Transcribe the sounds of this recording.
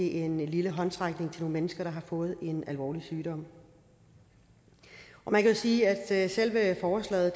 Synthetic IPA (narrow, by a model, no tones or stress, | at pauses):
eʔe̝nliləɦɒ̽nt͡sʰʁɑ̈ɡ̥ne̝ŋt͡sʰe̝lno̝ːn̩menəsɡ̥ɐɾ̥ɑ̈ɦɑ̈fɔ̽ːð̞̩ˠe̝nælʋɒ̰ːlisyːɾ̥ɒ̽m̰ | ʔɒ̽mænkʰæjosiːæd̥sel̰ʋəfɒːslɛ̰ːð̩ˠ